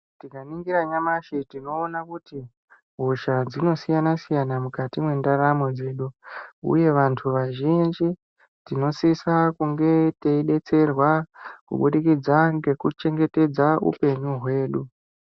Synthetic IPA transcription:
tikaniŋɡiɾaɲamaʃitino̞ːnakuti | ɦoʃad͡zino̞sijanasijanamukatimwe̞ndaɾamo̞d͡ze̞ɗuṵje̞ʋantʰuʋaʒind͡ʒi | tino̞sisakuŋɡe̞teiɗe̞t͡se̞rwakṵɓuɗikid͡zaŋɡe̞kut͡ʃe̞ŋɡe̞te̞d͡zaṵpe̞ɲuɦwe̞ːɗu

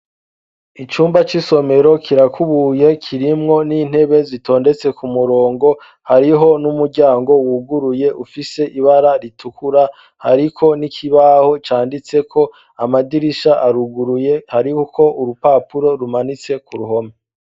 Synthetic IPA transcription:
it͡ʃuːmbat͡ʃiso̞me̞ɾo̞kʰiɾakʰuβuje̞kʰiɾimŋo̞niːn̥he̞βe̞zitʰo̞ːnde̞t͡se̞kumuɾo̞ːŋɡo̞ | haɾiɦo̞numuɾɟaːŋɡo̞wuɡuɾuje̞ʔufise̞ʔiβaɾaɾitʰukuɾa | ha̰ɾikʰo̞nikʰiβaho̞t͡ʃaːndit͡se̞kʰo̞ | amadiɾiʃaʔaɾuɡuɾuje̞haɾihukʰo̞uɾupaːpuɾo̞ɾumanit͡se̞kuɾuɦo̞me

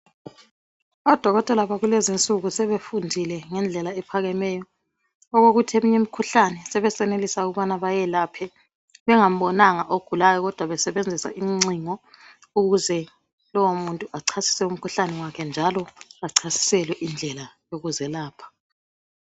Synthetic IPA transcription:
ɔd̥ʱɔɣɔtʼɛlaβaɣulezint͡sʼuɣusɛβefundʱilɛŋɛnd͡ɮʱɛlaɛpʰaɣɛmɛjɔː | ɣoɣutʰiemuɲɛmikʰuɬanɛsɛβɛsɛnelisauɣuβanaβajɛlaːpʰɛ | βɛŋam̩bɔnaŋaʔoɡ̥ʱulajɔɣɔd̥ʱwaβɛsɛβend͡zʱisa̰ʔiŋ͡ǀiŋɔ | uɣuzɛ | lɔwomuntʼuʔaǀʰasi̥sɛum̩kʰuɬanɛwakʰɛnd͡ʒʱalɔaǀʰasi̥sɛlwɛʔind͡ɮʱɛlajoɣuzɛlaːpʰḁ

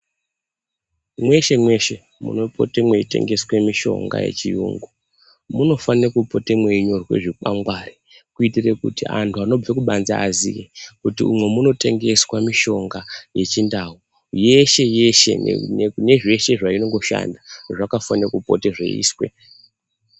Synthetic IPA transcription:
mwe̞ʃe̞mwe̞ʃe̞ | mṵno̞po̞̰temweite̞̰ŋɡe̞swe̞miʃo̞̰ŋɡa̰jḛt͡ʃijṵːŋɡu | muno̞fanirekupo̞temwe̞iɲo̞rwe̞̰ʐikaŋɡwari | kuitire̞kṵtḭʔantʰuano̞b͡vekuɓanza̰ːzijekutiumwe̞muno̞te̞ŋɡe̞swamiʃo̞ŋɡaje̞t͡ʃindau | je̞ʃe̞je̞ʃe̞̰ne̞ʐe̞ʃe̞ʐaino̞ŋɡo̞ʃa̰ndaʐakafanirakupo̰teʐḛḭːswe̞̰

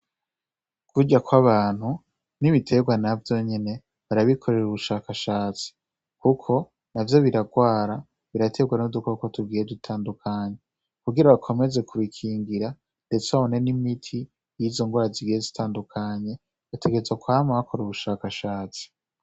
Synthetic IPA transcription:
vuɟakwaβaːn̥hu | niβitʰe̞ɡwanavjo̞ɲe̞ne̞ | βaɾaβikʰo̞ɾe̞ɾuβuʃaːkaʃaːt͡si̥ | kukʰo̞ | navjo̞βiɾaɡwaːɾa | βiɾatʰe̞ɡwenudukokotub̚ɡiːjeditʰaːndukʰaɲe̞ | kuɡiɾaβakʰo̞me̞ze̞kʰuβikʰiːŋɡiɾa | nde̞t͡seaβo̞ne̞nimitʰi | jizo̞ŋɡwaːɾaziɡijezitʰaːndukʰaɲe̞ | βatʰeɡe̞ezakwamaβakʰo̞ɾeɾuβuʃaːkaʃaːt͡si̥

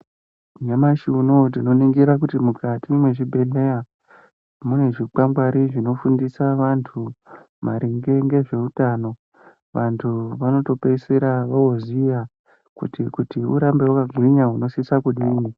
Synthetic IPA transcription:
ɲamaʃunot̬ino̞niŋɡiɾak̬utimukatimwe̞ʐibʱe̞ɮe̞ja | mune̞ʐik͡pamɡwaɾiʐino̞fundisaʋantʰu | maɾiŋɡe̞ŋɡe̞ʐe̞utano̞ | ʋantʰuʋano̞to̞peiseɾaʋaoziʋa | kṵtikutiuɾambe̞wukaɡʱwiɲaɦuno̞sisakuɗiːni

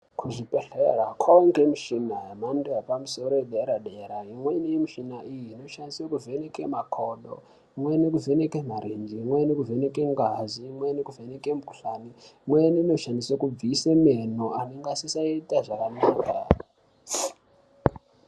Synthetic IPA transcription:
kʰuʐipeɬerakʰaoŋɡemiʃinajamandejapamuso̞ɾoeɗeɾaɗeɾaimweinimiʃinaʔijiːno̞ʃandiswekuve̞nekemakʰoɗo̰ | imwenekuvenekemaɾend͡ʒiimwenekuvenekeŋɡaziːmwenekuvenekemukuɬaniimweniino̞ʃandiswekub͡visemenoaneŋɡasisaitaʐakanaːkʰa̰

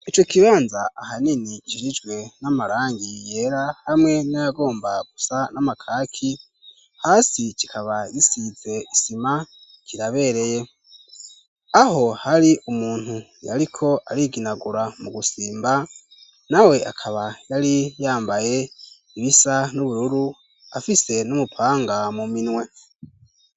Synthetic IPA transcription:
it͡ʃo̞kiβaːnzaahaniniʃiɾid͡ʒɡwe̞namaɾaːŋɡije̞ːɾahamŋe̞najaɡo̞ːmbaɡ̥usanamakʰaːkʰi | haːsikikʰaβajisize̞isima | kiɾaβe̞ɾe̞je̞ | aɦo̞haɾiʔumuːn̥hu | ja̰ɾikʰo̞ʔaɾiɡinaɡuɾamuɡusiːmba | nawe̞ʔa̰kʰaβajaɾijaːmbaje̞ | iβisanuβuɾuɾu | a̰fise̞numupʰaːŋɡamuminwe̞

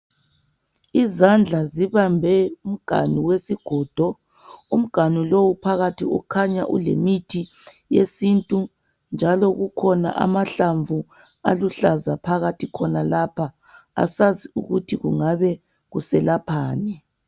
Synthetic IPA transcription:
izand͡ɮʱaziβambʱɛum̩ɡ̥ʱa̰niwesiɡ̥ʱɔːd̥ʱɔ | um̩ɡ̥ʱanulowupʰaɣatʰiṵkʰaɲaʔṵlemitʰi | jesintʼu | nd͡ʒʱalɔɣukʰɔna̰ʔa̰maɬaɱvu | a̰luɬazapʰaɣatʰikʰɔnalapʰa | a̰saziṵɣutʰiɣuŋaβɛ | ɣusɛlapʰaːnɛ

